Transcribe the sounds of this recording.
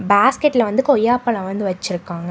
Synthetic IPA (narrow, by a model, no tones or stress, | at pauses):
baːskɛʈːlɐʋɐnd̪ɯkɔjːaːpːɐɭɐ̃ʋɐnd̪ɯʋɐt͡ʃːɪɾɯkːaːŋɡɐ